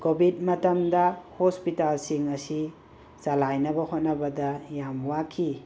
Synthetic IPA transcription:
kobʱidmɐtɐmdɐhospitalsiŋɐsi | salajnɐbɐhot̚nɐbɐdɐjamwakʰːi

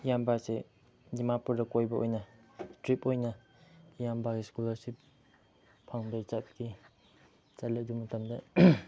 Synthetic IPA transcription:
ijambase | dimapuɾdɐkojbɐʔojnɐ | stɾipojnɐ | ijambakiskulɐɾsip̚ | pʰaŋbet͡ʃat̚ɡi | t͡ʃɐlek̚dumɐtʰɐmdɐ

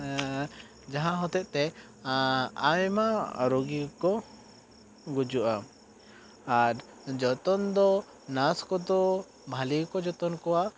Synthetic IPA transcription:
d͡ʒaɦãɦɔt̪ɛʔ̪̚ˀt̪ɛ | ajmaɾoɡikɔ | ɡud͡ʒuʔa | aɾ | d͡ʒɔt̪ɔnd̪ɔ | naskɔd̪ɔ | bʱalikɔd͡ʒɔt̪ɔnkɔwa

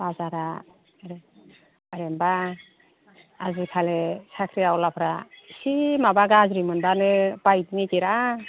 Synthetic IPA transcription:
bazaɾa | ɾ | aɾemba | azikʰalesakʰɾiawlapʰɾasimabaɡaazɾimɯndanepajdinikiɾa

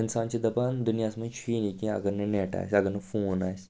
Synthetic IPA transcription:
ɪnsaːnt͡ʃʰid̪ɐpaːnd̪ʊnijaːsmɐ̃t͡ʃʰuiːnikẽɐ̰ɡɐɾnɐneːʈa̰ːsʲɐɡɐɾnɐfoːnaːs

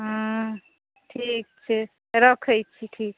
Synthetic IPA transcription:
ɦə̃ | ʈʰik̚t͡ʃʰi | ɾʌkʰəjt͡ʃʰiʈʰik̚

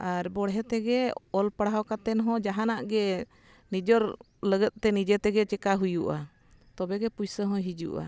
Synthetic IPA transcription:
aɾbɔɽɦɛt̪ɛɡɛɔlpəɽawkat̪ɛnɦɔ̃d͡ʒaɦanaʔɡɛ | nid͡ʒɔɾ | ləɡət̪̚t̪ɛnid͡ʒɛt̪ɛɡɛt͡ʃɛkaɦujuʔa | t̪ɔbɛɡɛpujsəɦɔ̃ɦid͡ʒṵʔa̰

